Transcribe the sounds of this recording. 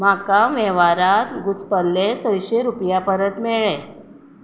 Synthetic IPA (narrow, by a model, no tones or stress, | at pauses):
m̤akaʋɛʋaɾat̪ɡuspəlːesə̃jɕeɾupjapəɾət̪meɭe